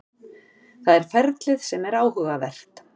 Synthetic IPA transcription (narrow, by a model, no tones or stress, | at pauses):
θaðɛɾ̥fɛɾt̪lɪðsɛmɛɾaːwhʏɣavɛr̥t̪